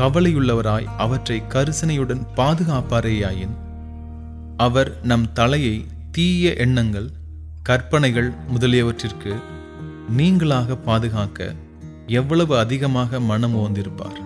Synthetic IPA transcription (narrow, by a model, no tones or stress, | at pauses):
kɐʋɐlɐjɯɭːɐʋɐɾaːjʔɐʋɐʈrɐɪkɐɾɯsɐnɐjɯɽɐnpaːðɯɣaːpaːɾeːjaːjɪn | ɐʋɐɾnɐmt̪ɐlɐjɐɪ | t̪iːjɐʔɛɳːɐŋɡɐɭ | kɐrpɐɳɐɪɣɐɭmʊðɐlɪjɐʋɐʈrɪrkɯ | niːŋɡɐɭaːɣɐpːaːðɯɣaːkɐ̰ | ɛʋːɐɭɐʋɯɐðɪɣɐmaːɣɐmɐnɐmʊʋɐnd̪ɪɾɯpːa̰ːɾ